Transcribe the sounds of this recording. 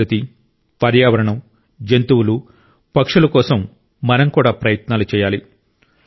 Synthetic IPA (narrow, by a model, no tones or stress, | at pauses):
ɐt̪i | pɐɾjaːʋɐɾɐɳɐm | d͡ʒent̪uwulu | pɐkʂulɐkɔːsɐmː | ɐnɐmkuːɽaːpɾɐjɐt̪naːlut͡ʃɛːjaːli